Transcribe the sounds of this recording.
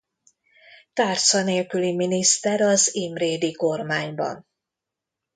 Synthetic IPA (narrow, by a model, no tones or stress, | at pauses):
t̪aːrt̪sɒneːlkyliminist̪ɛɾɒzimreːd̪iko̞rmaːɲbɒ̰n